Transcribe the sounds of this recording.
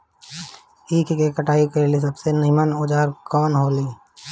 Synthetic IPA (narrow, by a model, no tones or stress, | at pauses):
iːkʰkekəʈaːikɐɾelis̬ɐbsenɪɦmənod͡ʒaːɾkɔːnɦoːliː